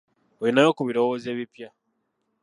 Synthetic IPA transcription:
oinajo̞kuβiɾo̞woːze̞ːβipja

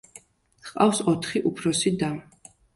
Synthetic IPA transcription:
sqʼafsɔt̪ʰχiʔupʰɾɔsid̪am

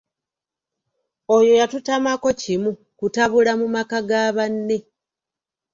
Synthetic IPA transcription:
o̞jo̞jatutamako̞cimu | kutaβulamumakaɡaβanːe̞

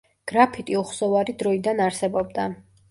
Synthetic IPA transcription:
ɡ̥ɾapʰit̪ʼiuχsɔvaɾid̪ɾɔid̪anaɾsɛbɔb̚d̪a

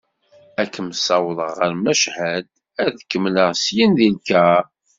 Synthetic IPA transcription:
ækːəmsɑwlˤəʁːəɾmæʃhæd̪ | æðəkːəmnəʁsjinðilkæ

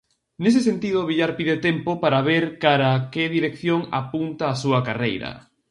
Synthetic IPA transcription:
nes̬esent̪iðoβiʎaɾpiðet̪empopaɾaβeɾkaɾakeðiɾekθjoŋa̰punt̪aːsuɐkarejɾɐ̰

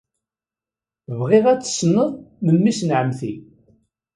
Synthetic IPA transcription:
vʁɪʁæt͡sːə̥snəðˤmənmisnʕəmθi

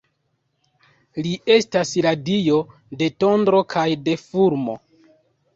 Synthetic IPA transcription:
liʔe̞stasladijo | de̞to̞ndɾo̞kʰajde̞fuɾmo̞̰

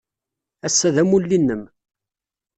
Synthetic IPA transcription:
æsːæðæmulːinːəm

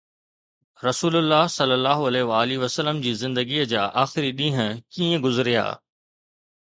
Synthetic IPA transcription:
ɾɐsuːlʊlːaːɦsɐlːəlːaːɦoɐleːʋaːliʋɐsəlːəmd͡ʑiːzɪ̃nd̪əɡiːəd͡ʑaːʔaːxɪɾiɗĩːɦə̃kiːə̃ɡʊzɪɾija̰ː

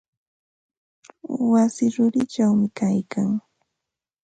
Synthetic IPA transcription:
wasɪɾʊɾɪt͡ʃawmɪkajkaŋ

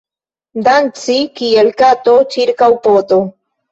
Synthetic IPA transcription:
dant͡sikielkatot͡ʃiɾkawpot̪o

